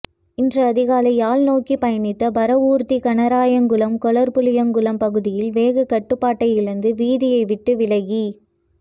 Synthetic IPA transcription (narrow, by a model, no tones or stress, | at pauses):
ɪndrɐːðɪɣaːlɐɪjaːlnoːkipɐjɐnɪt̪ːɐbɐɾɐuːɾt̪ikɐnɐɾaːjɐŋɡɯlɐmkɔɭɐɾpɯlɪjɐŋɡɯlɐmpɐɣɯðɪjɪlʋeːɣɐkɐʈːɯpːaːʈːɐɪjɪɾɯnd̪ɯʋiːðɪjɐɪʋɪʈːɯʋɪlɐɣi